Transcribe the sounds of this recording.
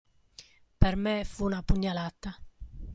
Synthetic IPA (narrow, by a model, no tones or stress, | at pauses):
pɛɾmɛfunapuɲːalat̪ːa